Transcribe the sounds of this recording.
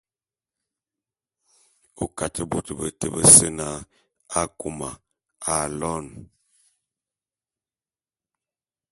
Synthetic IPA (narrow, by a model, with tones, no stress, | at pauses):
o˦ka˨tʰə˦bu˨tə˨bə˨tə˨bə˦sə˦na˦ | a˦ku˨ma˨ | a˨lɔ˦n